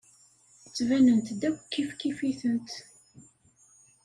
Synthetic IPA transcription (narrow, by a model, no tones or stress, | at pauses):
θət͡sːvænənt̪d̪ækʷːkːifkːifiθənt̪